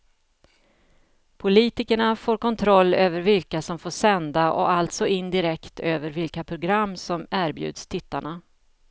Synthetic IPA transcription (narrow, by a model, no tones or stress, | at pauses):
pʰʊliːt̪ɪkəɳafoːɾkʰɔnt̪ʰɾɔlːøːvəɾvɪlkasɔmfoːʂɛnd̪aʔɔ̰alt̪sɔʔɪnːd̪ɪɾɛkt̪ʰøːvəɾvɪlkapʰɾʊɡɾamːsɔmæːɾbjʉ̟̰ːd̪st̪ʰɪt̪ːa̰ɳa